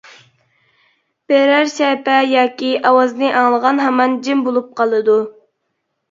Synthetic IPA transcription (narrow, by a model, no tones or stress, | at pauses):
b̥eɾæɾʃɛpɛjɑːkʲiʔɑwɑznɨʔɑŋlˠəʁɑnɦɛmɑnd͡ʒɪmbolˠup̚qʰɑlˠɨd̪u